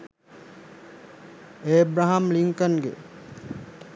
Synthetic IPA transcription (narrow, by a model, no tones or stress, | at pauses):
eːbɾaɦamliŋkənɡḛ